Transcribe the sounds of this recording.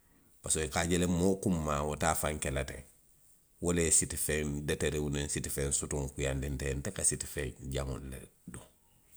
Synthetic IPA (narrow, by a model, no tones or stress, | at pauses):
pasoikaɟelemokumːawotaːfaŋkelatḛ | wolesitifendeteɾewunensitifeːnsutuŋkujandintentekasiti̥feːɲɟamṵllḛduŋ